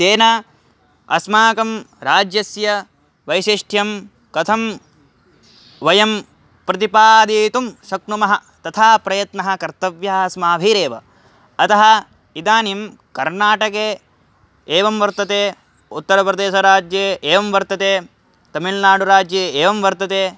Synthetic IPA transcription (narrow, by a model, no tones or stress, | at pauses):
seːna | ɐ̰smaːkɐmɾaːd͡ʒjɐsjɐ | ʋɐjʃiʂʈʰjɐm | kɐt̪ʰɐm | ʋɐjɐm | pɾɐt̪ipaːd̪iːt̪umʃɐk̚numɐɦɐt̪ɐt̪ʰaːpɾɐjɐt̪nɐɦɐ̆kɐɾt̪ɐʋjɐɐsmaːbʱiɾeːʋɐ | ɐt̪ɐɦɐ̆ | id̪aːnim | kɐɾnaːʈɐkeː | eːʋɐmʋɐɾt̪ɐt̪eː | ut̪ːɐɾɐpɾɐd̪eːʃɐɾaːd͡ʒjeːʔeːʋɐmʋɐɾt̪ɐt̪eː | t̪ɐmilnaːɽuɾaːd͡ʒjeeːʋɐmʋɐɾt̪ɐt̪eː